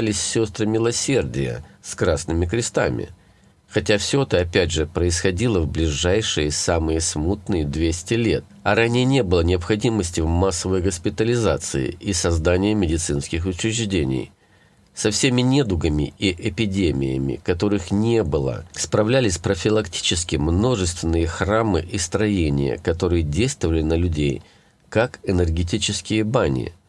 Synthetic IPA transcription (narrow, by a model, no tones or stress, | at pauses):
lʲɪsʲsʲo̞st̪ɾəmʲɪlˠɐsʲe̞rdʲɪ̰jə̰skɾasnɨmʲɪkɾʲɪst̪a̰mʲɪ̰ | xɐtʲafsʲoɛt̪əɐpʲædʲʐɨpɾəɪsxɐdʲilˠəvblʲɪʐajʂɨjəsamɨjəsmut̪nɨjəd̪vʲesʲtʲɪlʲe̞t̪̚ɐɾanʲɪjənʲe̞bɨlˠənʲɪɐpxɐdʲiməsʲtʲɪvmasːəvəjɡəspʲɪt̪əlʲɪzat̪sɨ̰ɪ̰ʔisɐzd̪anʲɪjəmʲɪdʲɪt̪sɨnskʲɪxʊt͡ɕɾʲɪʐdʲenʲɪ̰j | sɐfsʲemʲɪnʲed̪ʊɡəmʲɪ̰iʔɪpʲɪdʲemʲɪ̰jə̰mʲɪ̰kɐt̪o̞ɾɨxnʲe̞bɨlˠə̰spɾɐvlʲælʲɪsʲpɾəfʲɪlˠɐktʲi̥t͡ɕɪskʲɪmno̞ʐɨst̪vʲɪnːɨjəxramɨ̰ʔist̪ɾɐjenʲɪ̰jə̰kɐt̪o̞ɾɨjədʲejst̪vəvəlʲɪnəlʲʉdʲej | kakɛnərɡʲɪt̬ʲit͡ɕɪskʲɪjəbanʲɪ̰